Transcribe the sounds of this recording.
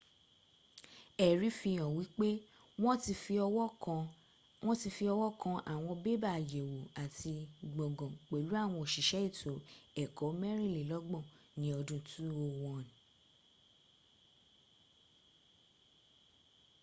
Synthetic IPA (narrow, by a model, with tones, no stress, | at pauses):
ɛ˨ɾi˨˦fi˧j̃ã˨wi˨˦k͡pe˦ | w̃ɔ̃˦ti˧fi˧ɔ̃˧˦˧ | w̃ɔ̃˦ti˧fi˧ɔ˧wɔ˦kã˧ʔa˨w̃ɔ̃˧be˦ba˦˨je˨wo˨a˨ti˧ɡ͡bɔ̃˨ɡɔ̃˨k͡pe˨lu˨˦a˦˨w̃ɔ̃˧o˨ʃi˨ʃɛ˨˦i˦˨tʰo˨˦ɛ˨kɔ˨˦mɛ˦ɾĩ˦˨le˨lɔ˨˦ɡ͡bɔ̃˦˨ | nĩ˨˦ɔ˧dũ˧tu˦o˧wɔ̃˧n˨